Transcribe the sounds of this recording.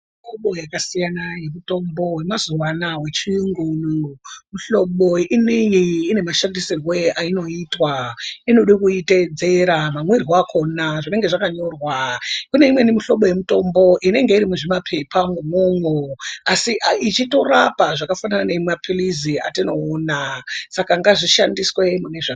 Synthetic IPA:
mioɓo̞jakasijanaje̞muto̞mbo̞we̞mazuwanawe̞t͡ʃiuŋɡunomuɬo̞ɓo̞inejiine̞maʃandisirweaino̞itwainoɗikuite̞d͡ze̞ɾamamwirwakʰo̞naʐine̞ŋɡe̞ʐakaɲo̞rwakune̞imwenimiɬo̞ɓo̞je̞muto̞mbo̞ʔine̞ŋɡe̞iɾimuʐimapʰe̞pʰaŋɡumoŋoasiʔit͡ʃito̞rapaʐakafananane̞imapʰilizia̰tino̞ːnasakaŋɡaʐiʃandiswe̞mune̞ʐa

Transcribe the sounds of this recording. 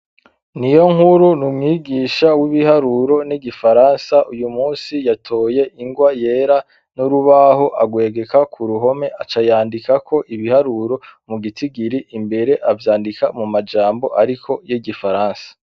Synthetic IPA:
nijo̞ŋhuɾunumŋiːɡiːʃawiβihaɾuɾo̞niɡifaɾaːnsaʔujumuːnsijatʰo̞ːje̞ʔiŋɡwajeːɾa | nuɾuβaɦo̞ʔaɡwe̞ːɡe̞kakʰuɾuɦo̞me̞ʔat͡ʃajaːndikako̞ʔiβihaɾuɾo̞muɡitʰiɡiɾiʔimbe̞ɾe̞ʔavjaːndikamumad͡ʒaːmbo̞ʔaɾikʰo̞jiɡifaɾaːnsḁ

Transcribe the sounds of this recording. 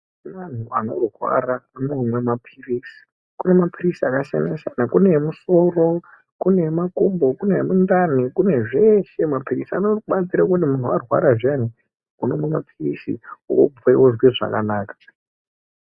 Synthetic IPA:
man̤uano̞̰rwa̰ɾaːnomwe̞mapʰiriːsi̥ | kune̞mapʰirisiakaʃa̰naʃanakunemuso̞ro̞ | kune̞makombo̞kunemundan̤ikune̞ʐeʃe̞mapirisia̰noɓat͡siɾakutimun̤uarwa̰ɾaʐjani | unomwemapʰirisḭuko̰b͡vaiwoʐwiʐa̰ka̰naːkḁ

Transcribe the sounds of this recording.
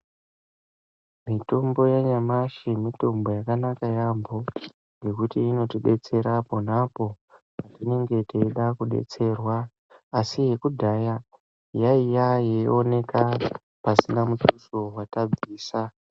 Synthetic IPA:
mitombo̞jaɲamaʃimito̞mbo̞jakanakajambo̞ | ŋɡe̞kutiːno̞tiɓe̞t͡se̞ɾapo̞napo̞ | patine̞ŋɡe̞teiɗakuɗḛt͡se̞rwaː | sije̞kudʱaja | jaijajeone̞ka | pasinamutusowatab͡viːsa

